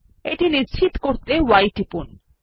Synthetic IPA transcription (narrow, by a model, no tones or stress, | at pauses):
eʈinist͡ɕʰit̪koɾt̪ewajʈipun